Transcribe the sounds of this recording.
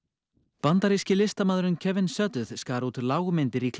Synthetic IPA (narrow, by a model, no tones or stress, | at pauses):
pant̪aɾiscɪlɪst̪amaːðɾʏncʰɛvɪnsœt̪ʏð̥skaːɾuːt̪laːwɣʏmɪnt̪ɪɾikʰ